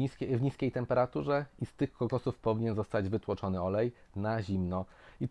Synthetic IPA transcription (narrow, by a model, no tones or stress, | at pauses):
iskʲvɲiskʲejt̪ɛmpɛɾat̪uʐɛist̪ɘxkɔɡɔsufpɔvʲiɲɛnzɔst̪ad͡ʑvɘt̪wɔt͡ʂɔnɘɔlɛjnaʑimnɔ | i